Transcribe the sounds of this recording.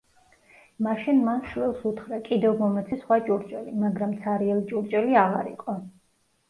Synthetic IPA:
maʃinmanʃwilˠsut̪χɾakʼid̪ɛvmɔmɛt̪sʰisχwat͡ʃʼuɾt͡ʃʼɛlimaɡɾamt̪sʰaɾiɛlit͡ʃʼuɾt͡ʃʼɛliaʁaɾḭqʼɔ

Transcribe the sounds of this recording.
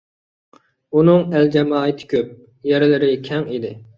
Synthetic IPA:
unɨŋæld͡ʒɛmɑːɨt̪ʰɪ̥kʲøp̚ | jɛɾɪlɪɾɪkʲʰɛŋid̪ɪ

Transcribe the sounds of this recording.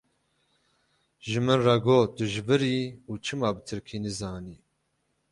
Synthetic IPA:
ʒɨmɨnrɑɡoːt̪ɨʒɨvɨɾiːuːt͡ʃʰɨmɑːbɨt̪ʰɨɾkʰiːnɨzɑːniː

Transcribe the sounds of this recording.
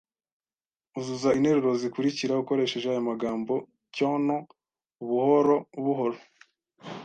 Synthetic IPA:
uzuzainhe̞ɾuɾo̞zikuɾiciɾauko̞ɾe̞ːʃe̞ʒeajomaɡaːmbo̞ | cono | uβuhoɾouβuɦo̞ɾo

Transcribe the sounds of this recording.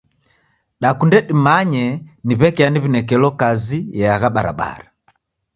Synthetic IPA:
ɗakundɛɗimaɲɛniβɛkɛaniβinɛkɛlɔkazijɛaɣaɓaɾa̰ɓa̰ɾa

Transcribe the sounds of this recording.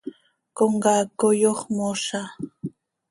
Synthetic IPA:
koɴɢɑkʊjoχmoʃa

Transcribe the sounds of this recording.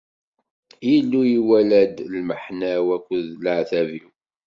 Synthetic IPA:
jəlːujiwælæd̪lməħnæwækʷːəðləʕθæviw

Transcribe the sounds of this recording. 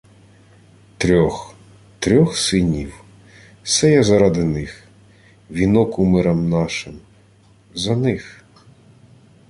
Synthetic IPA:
t̪ɾʲɔx | t̪ɾʲɔxsɪnʲiw | sɛjɛzɐɾɑd̪ɪnɪx | ʋʲinɔkumɪɾɐmnɑʃɪm | zɐnɪx

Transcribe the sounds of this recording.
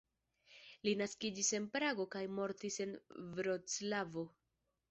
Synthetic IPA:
linaskid͡ʒise̞npɾaɡo̞kajmo̞ɾtise̞nvɾot͡slavo̞

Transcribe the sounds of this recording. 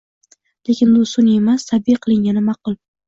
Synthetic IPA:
le̞kʲɪnbʊsʊne̞mast̪ʰabɪqʰɨlˠɪŋɡʲanɪmɑqʊlˠ

